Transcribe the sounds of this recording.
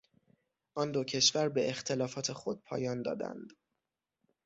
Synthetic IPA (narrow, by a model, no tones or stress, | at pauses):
ʔɒːnd̪ocʰe̞ʃvæɾbe̞ext̪ʰe̞lɒːfɒːt̪ʰe̞xod̪̥̚pʰɒ̰ːjɒːnd̪ɒ̰ːd̪æ̰nd̪̥